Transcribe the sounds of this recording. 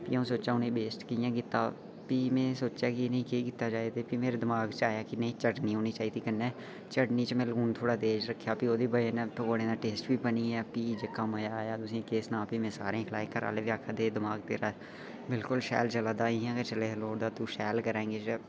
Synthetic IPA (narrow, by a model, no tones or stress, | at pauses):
pḭːaũsoːt͡ʃaːʊnẽːbeːsʈkijãːkɪt̪ːa̰ː | piːmẽːsoːt͡ʃjaːkinɦĩːkeːkɪt̪ːaːt͡ʃaːed̪eːpiːmeːɾed̪ɪmaːɡt͡ʃaːjaːkinəĩːt͡ʃəɖniɦoːnit͡ʃaːiːd̪iːkənːɛː | t͡ʃəɽniːt͡ʃəmẽːlɡuːnt̪ʰoːɽaːd̪eːd͡ʒɾəkʰːjaːpioːd̪iːbəenːt̪əkoːɽẽːd̪aːʈeːsʈbiːpəniɛːpiːd͡ʒəkːaːmoːjaːjaːd̪ʊsĩkeːsnãːpiːmẽːsaːɾẽkʰlaːekəɾa̰ːleːbiɾaːkʰad̪eːd̪ɪmaːɡt̪ḛːɾaː | bɪlkʊlʃɛ̰ːlt͡ʃəlaːd̪aːɪ̃jãːket͡ʃəleloːɽd̪aːt̪uːʃɛːlkəɾãẽːŋɡeːt͡ʃə